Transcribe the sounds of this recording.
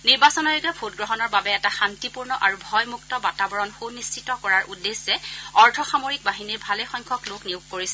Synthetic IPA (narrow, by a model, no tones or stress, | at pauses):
niɹbasɔnɔɹɛɡɛbʰʱotɡɹɔɦɔnɔɹbabɛɛtaxantipuɹnɔʔaɹubʱɔjmuk̚tɔbatabɔɹɔnxownist͡ʃʰitɔkɔɹaɹʔudesːɛɔɹdʱɔxamoɹik̚baɦiniɹbʱalɛxɔjŋkʰɔklokniʊkkːoɹisɛ